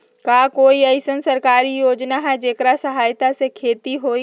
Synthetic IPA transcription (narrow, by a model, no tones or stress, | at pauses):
kaːkoːiɐɪsənsɐɾkaːɾijoːd͡ʒnaɦɛd͡ʒeːkɾasəɦaːjt̪asekʰeːt̪iɦoːi